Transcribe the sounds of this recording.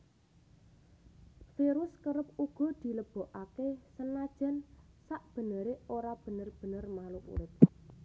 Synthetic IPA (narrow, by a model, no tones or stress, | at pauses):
fiɾʊskəɾəp̚uɡ̥ɔ̤d̪̥i̤ləb̥ɔ̤ʔakesənad̥ʒ̥ɛ̤n | saʔb̥ə̤nəɾeoɾab̥ə̤nərb̥ə̤nərmaluʔṵɾɪt̪̚